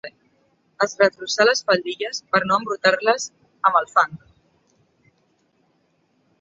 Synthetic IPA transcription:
əzrət̪ɾusaləsfəʎd̪iʎəspəɾnoəmbɾut̪arləz | əməlˠfand̪u

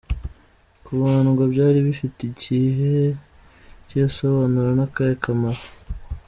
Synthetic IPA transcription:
kuβaːnuɡabɟaːɾiβifitiɟiːɦee | ceso̞βanuɾenakaɾekʰamaɾa

